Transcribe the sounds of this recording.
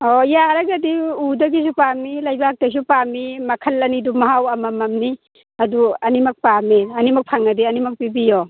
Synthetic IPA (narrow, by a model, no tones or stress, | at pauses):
ɔjaɾɐɡɐdiudɐɡis̬upamilɐjbak̚tɐs̬upamimɐkʰɐlɐnidumɐɦawɐmɐmɐmni | ɐduɐnimɐk̚pamiɐnimɐk̚pʰaŋɐdiɐnimɐk̚pibijɔ